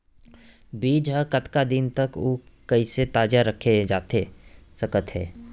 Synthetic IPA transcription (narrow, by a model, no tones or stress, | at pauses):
biːd͡ʒɦəkɐt̪kad̪ɪnt̪ɐkoːkɐiset̪aːd͡ʒaɾɐkʰːed͡ʒaːt̪esɐkət̪ɦɛ̰ː